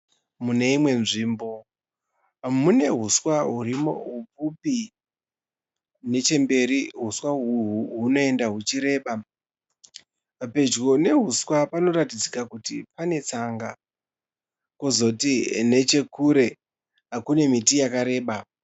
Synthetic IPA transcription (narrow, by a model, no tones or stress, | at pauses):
mune̞imwe̞nʐiːmbo̞ | mune̞ɦuswaɦurimo̰ɦup͡fupi | ne̞t͡ʃe̞mbe̞ɾiɦuswaɦuɦuɦuno̞e̞ndaɦut͡ʃiɾe̞ːɓa | pe̞d͡ʒɡo̞ne̞ɦuswapano̞ɾatid͡zikakutipane̞t͡saŋɡa | kozo̞tine̞t͡ʃe̞kuɾe̞ | akune̞mitijakaɾe̞ːɓa